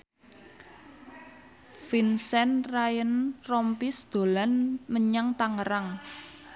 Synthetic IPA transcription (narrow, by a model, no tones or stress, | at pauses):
finsɛnrajənrɔmpisd̪̥o̤lanməɲaŋt̪aŋəɾaŋ